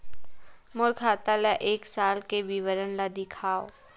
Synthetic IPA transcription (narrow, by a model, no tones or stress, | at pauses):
mʊɾkʰaːt̪alaʔeːksaːlkeʋiʋəɾənlad̪ɪkʰaːo̰